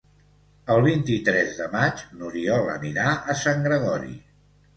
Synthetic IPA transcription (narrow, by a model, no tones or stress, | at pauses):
əlˠβint̪it̪ɾɛzðəmad͡ʒnuɾiɔlə̰niɾaʔəsaŋɡɾəɣɔɾḭ